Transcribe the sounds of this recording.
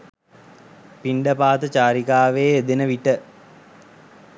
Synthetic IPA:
piɳɖəpaːt̪ət͡ɕaːɾikaːʋeːd̪enəʋiʈə

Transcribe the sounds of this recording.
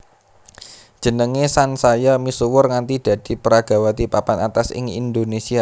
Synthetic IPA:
d̥ʒ̥ənəŋesansajamisuwʊrŋant̪id̥a̤d̪̥i̤pəɾaɡ̥a̤wat̪ipapanat̪asɪ̰ŋḭnd̪onesia

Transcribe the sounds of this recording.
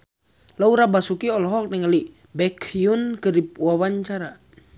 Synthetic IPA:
lauɾabasukiɔlɔɦɔk̚nɛŋali | bɛkʰjunkəɾip̚wawaɲt͡ʃaɾa

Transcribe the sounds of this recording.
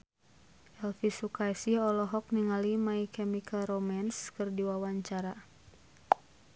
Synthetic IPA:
ʔɛlfisukajsiɔlɔɦɔk̚niŋalimaikɛmikʰalrɔmanskɨrdiwawaɲt͡ʃaɾa

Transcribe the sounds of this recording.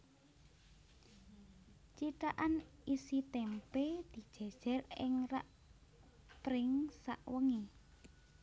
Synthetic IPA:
t͡ʃit̪aʔanisit̪ɛmped̪̥i̤̥ʒ̥a̤d̥ʒ̥a̤rɪ̰ŋraʔ | pɾɪŋsa̰ʔwəŋe

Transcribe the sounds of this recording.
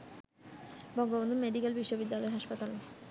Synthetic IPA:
bɔŋɡobond̪ʱomeɖikelbiʃːobid̪ːalɔeɦaʃpat̪al

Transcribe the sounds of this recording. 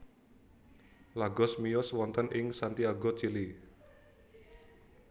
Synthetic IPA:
laɡɔsmijɔswɔnt̪ənʔɪŋsant̪iaɡɔt͡ʃili

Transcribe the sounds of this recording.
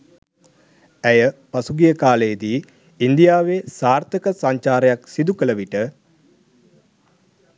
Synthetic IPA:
æjəpasuɡijəkaːləjəd̪iː | nd̪ijaːʋesaːrt̪əkəsaɲt͡ʃaːɾəjaksid̪ukələʋiʈə

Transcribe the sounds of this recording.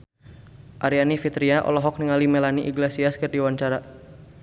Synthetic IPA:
ʔaɾianifit̪ɾiaʔɔ̰lɔɦɔk̚niŋalimelaniʔiɡlasiaskərdiwaɲt͡ʃaɾa

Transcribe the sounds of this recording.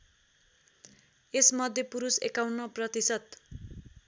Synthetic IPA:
esmʌd̪ʱjepuɾusekawnʌprʌt̪isʌt̪̚

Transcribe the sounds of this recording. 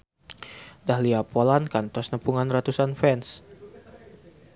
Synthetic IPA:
dahliapɔlankant̪ɔsnəpuŋanrat̪usanfɛns

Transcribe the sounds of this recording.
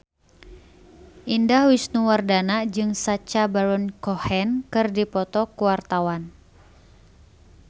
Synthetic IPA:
ʔindahwisnuwardanad͡ʒɨŋsat͡ʃabaɾɔnkɔhɛnkɨrdipɔt̪ɔkuwart̪awan

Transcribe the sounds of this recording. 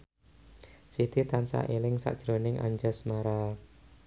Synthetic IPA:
sid̪it̪ansa̰ʔelɪŋsa̰ʔd̥ʒ̥ɾonɪŋa̰ɲd͡ʒəsmaɾa

